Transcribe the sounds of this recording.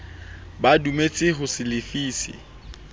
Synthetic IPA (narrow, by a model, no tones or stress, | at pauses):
badumet͡sʼɪɦʊsɪlɪfiːsɪ̰